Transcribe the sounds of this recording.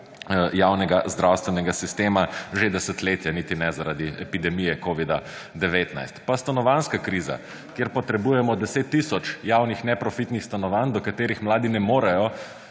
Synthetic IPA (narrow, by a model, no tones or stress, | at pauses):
jawnɛɡazd̪ɾawst̪ʋɛnɛɡasist̪eːmaʒed̪ɛsət̪leːt̪janit̪inɛzaɾad̪iɛpid̪ɛmijɛkoʋid̪a | d̪ɛʋeːt̪na̰jst̪past̪anɔʋanskakɾiza̰ | kjeɾpɔt̪ɾɛbujɛmɔd̪ɛset̪ːisɔt͡ʃjaːwnixnɛpɾɔfit̪nixst̪anɔʋand̪ɔkat̪eːɾixmlaːd̪inɛmoːɾajɔ